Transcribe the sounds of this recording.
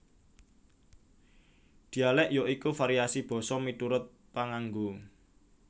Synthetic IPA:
d̪̥i̤alɛʔjoʔikufaɾiasib̥ɔ̤sɔmit̪uɾʊt̪̚ | paŋaŋɡu

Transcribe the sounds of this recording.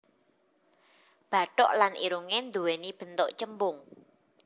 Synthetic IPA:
b̥ä̤ʈɔ̰ʔlanʔḭɾuŋend̪uwenib̥ə̤nt̪ɔʔt͡ʃəmbʊŋ

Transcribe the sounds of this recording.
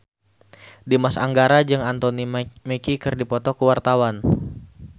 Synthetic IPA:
dimasa̰ŋɡaɾad͡ʒɨŋant̪onimekikɨrdipɔt̪ɔkəwart̪awan

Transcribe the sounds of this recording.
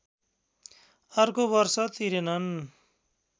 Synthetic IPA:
ʌrkobʌrsʌt̪iɾenʌn

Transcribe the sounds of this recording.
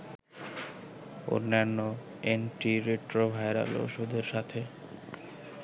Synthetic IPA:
o̰ɾnːeanːo | enʈiɾeʈɾobʱaeɾa̰lo̰ʃod̪ʱeɾʃat̪ʰe

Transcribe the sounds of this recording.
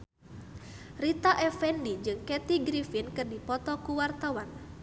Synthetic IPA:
rit̪aʔɛfɛndid͡ʒɨŋkɛt̪iɡɾifinkɨrdipɔt̪ɔkuwart̪awan

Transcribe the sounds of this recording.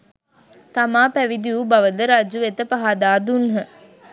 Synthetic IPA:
t̪amaːpæʋid̪iubɐʋəd̪əɾad͡ʒuʋet̪əpaɦad̪aːd̪unɦə

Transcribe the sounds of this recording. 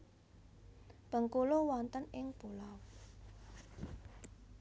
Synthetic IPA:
b̥ə̤ŋkulowɔnt̪ənɪŋb̥olaw

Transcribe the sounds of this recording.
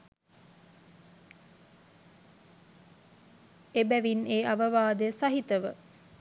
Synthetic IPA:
ebæʋineːaʋəʋaːd̪əjəsaɦit̪əʋə

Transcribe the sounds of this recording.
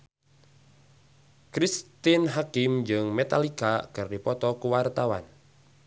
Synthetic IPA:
kɾist̪ɪnɦakɪmd͡ʒɨŋmet̪alikakɨrdipɔt̪ɔkuwart̪awa̰n

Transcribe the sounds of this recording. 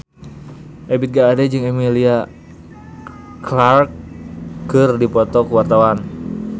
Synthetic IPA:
ʔebit̪̚ɡaːdɛd͡ʒɨŋɛmilia | klarkkɨrdipɔt̪ɔkuwart̪awan

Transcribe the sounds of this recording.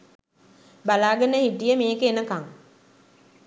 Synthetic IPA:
balaːɡanːəɦiʈijəmeːkeːnəkaŋ

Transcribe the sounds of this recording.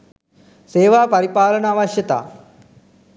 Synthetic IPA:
seːʋaːpɐɾipaːlɐnɐaːʋɐʃjɐt̪a̰ː

